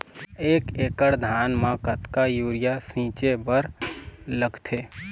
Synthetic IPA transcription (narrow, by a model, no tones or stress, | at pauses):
eːkeːkəɽd̪ʱaːnmãːkət̪kajuːɾɪjasĩːt͡ʃebəɾləɡt̪ʰeː